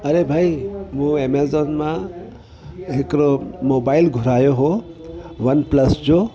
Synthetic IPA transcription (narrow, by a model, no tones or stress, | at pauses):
ɐɾebʱaimũemezoːnmã | ɦɪkɾomoːbaːɪlɡʱʊɾaːjoɦo | ʋɐnplɐsd͡ʑo